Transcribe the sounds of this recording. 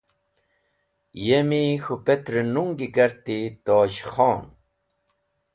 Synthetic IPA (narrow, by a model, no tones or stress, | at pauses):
jemixupet̪ɾenuŋɡiɡɐɾt̪it̪oːɕxɔːn